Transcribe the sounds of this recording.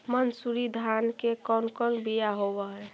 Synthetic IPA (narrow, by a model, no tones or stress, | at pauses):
mənsuɾid̪ʱankekɔnkɔɾbijaɦobəɦɛ